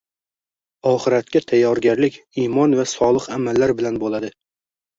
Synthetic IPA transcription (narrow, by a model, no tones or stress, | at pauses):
ɒχɨɾat̪̚kʲat̪ʰajːɒɾɡʲaɾlɪkʲ | imɒnvasɒlˠɨqamalːaɾbɪlanbolˠad̪ɪ